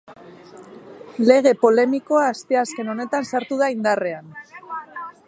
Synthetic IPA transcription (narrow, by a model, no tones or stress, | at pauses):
le̞ɣ̞e̞po̞le̞miko̞aːst̪e̞aske̞no̞ne̞t̪ansaɾt̪uð̞aind̪are̞an